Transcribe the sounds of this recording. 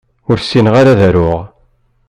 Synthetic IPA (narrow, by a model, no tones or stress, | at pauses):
ʊɾsːinʁaɾaðæɾʊʁ